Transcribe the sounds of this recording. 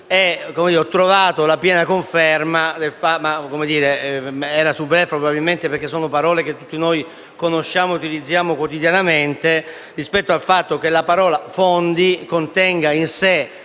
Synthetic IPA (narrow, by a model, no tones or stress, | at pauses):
ɛkomed̪iɾɔt̪ːɾovaːt̪olapjɛːnakoɱfɛrmad̪elfamakomed̪iːɾeɛːɾasubɾɛfɾobabilment̪epeɾrk̟esːɔːnopaɾɔːlek̟et̪ːut̪ːinoj | konoʃːaːmout̪ilid̪zːjaːmokwot̪id̪janament̪e | rispɛt̪ːoalfat̪ːok̟elapaɾɔːlafond̪ikont̪ɛŋɡainse